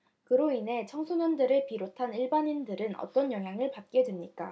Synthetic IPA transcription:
kɯɾoine̞t͡ɕʰʌŋsʰonundɯɾɯɭpiɾotʰaniɭbanindɯɾɯnʌ̰t͈ʌnjʌŋɦjaŋɯɭpat̚k͈e̞dwemɲik͈a̰

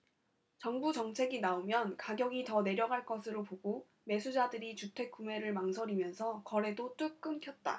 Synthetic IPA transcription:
t͡ɕʌŋbut͡ɕʌŋt͡ɕʰe̞ɡinaomjʌnkaɡjʌɡitʌne̞ɾjʌɡaɭk͈ʌsʰɯɾopoɡo | me̞sʰud͡ʑadɯɾit͡ɕutʰwe̞k̚k͈ume̞ɾɯɭmaŋsʰʌɾimjʌnsʰʌkʌɾe̞dot͈ɯk̚k͈ɯnkʰjʌt̚t͈a̰

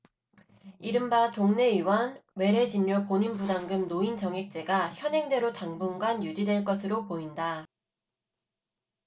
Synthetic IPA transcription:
iɾɯmbatoŋne̞iwʌnwe̞ɾe̞d͡ʑinːopoɲinbudaŋɡɯmnoint͡ɕʌŋɦe̞k̚t͡ɕ͈e̞ɡaçjʌnɦe̞ŋdwe̞ɾotaŋbuŋɡwanjud͡ʑidwe̞ɭk͈ʌsʰɯɾopoinda

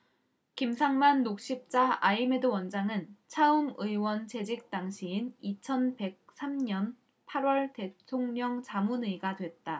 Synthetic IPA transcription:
kimsʰaŋmanːok̚ɕ͈ip̚t͡ɕ͈aaime̞dɯwʌnd͡ʑaŋɯnt͡ɕʰaɯmɯiwʌnt͡ɕe̞d͡ʑik̚t͈aŋɕʰiːnit͡ɕʰʌnpe̞k̚s͈ʰamɲʌn | pʰaɾwʌɭte̞tʰoŋɲʌŋt͡ɕamunɯiɡadwe̞t̚t͈a

